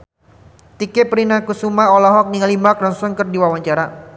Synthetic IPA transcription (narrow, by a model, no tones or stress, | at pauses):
t̪ikɛpɾinakusumaɔlaɦɔk̚niŋalimakɾɔnsɔnkɨrdiwawaɲt͡ʃaɾa